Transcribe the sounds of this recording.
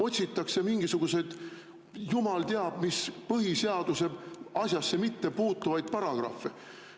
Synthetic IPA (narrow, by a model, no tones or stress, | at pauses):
o̞t̪ʲsit̪ːˑɑkse̞miŋɡ̥isuɡ̥use̞d̪̥ | jumɑlt̪eɑb̥mispɤɦiseɑd̪̥use̞ɑsʲjɑsːe̞mit̪ːe̞puːt̪ːˑuvɑjd̪̥̚pɑɾɑɡ̥rɑ̰fːe